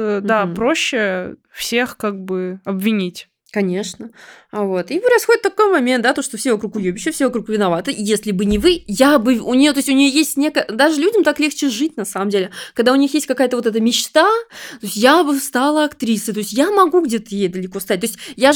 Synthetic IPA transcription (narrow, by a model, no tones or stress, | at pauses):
d̪apɾo̞ɕːɪfsʲexkaɡ̚bɨɐbvʲɪnʲitʲ | kɐnʲe̞ʂnəvo̞t̪ipɾɐsxodɪt̪t̪ɐkojmɐmʲent̪̚d̪at̪oʂt̪ofsʲevɐkɾukʊjubʲɪɕːɪfsʲevɐkɾukvʲɪnɐvat̪ɨʔijesʲlʲɪbɨnʲɪvɨjabɨʊnʲɪjot̪o̞sʲtʲʊnʲɪjojesʲtʲnʲe̞kəjəd̪aʐɨlʲudʲɪmt̪aklʲe̞xt͡ɕɪʐɨt̚ʲnɐsaməmdʲelʲɪkɐɡd̪aʊnʲixjestʲkɐkajət̪əvot̪ɛt̪̬əmʲɪt͡ɕt̪at̪oɪsʲtʲjabɨst̪alˠəɐkt̪ɾʲisɨjt̪o̞ɪsʲtʲjamɐɡuɡdʲe̞t̪əjejd̪əlʲɪko̞st̪at̪̚ʲoɪsʲtʲja